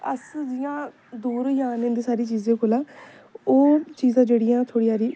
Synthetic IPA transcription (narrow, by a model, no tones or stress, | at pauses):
ə̰sd͡ʒɪjãː | d̪oːɾjaːnẽːnd̪eːsaːɾiːt͡ʃiːzẽːkoːlãː | oːt͡ʃiːzãːd͡ʒeːɽijãːt̪ʰoːɽiːaːɾiː